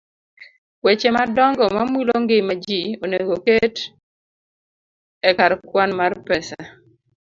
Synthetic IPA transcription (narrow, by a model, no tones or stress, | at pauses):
wet͡ʃemadɔŋɡɔmamwiloŋɡɪmad͡ʒioneɡoket | ɛkaɾkwanmarpɛsa